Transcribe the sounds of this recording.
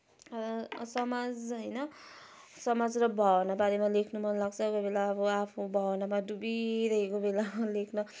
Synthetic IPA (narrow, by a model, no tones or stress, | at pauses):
ʌsʌmad͡zɦʌjnʌ | sʌmad͡zrʌbʱʌnabaɾemalekʰnumʌnlaɡt͡sʰʌkobelaʌbʌapʰubʱʌwnamadubiɾʌɦekobelalekʰnʌ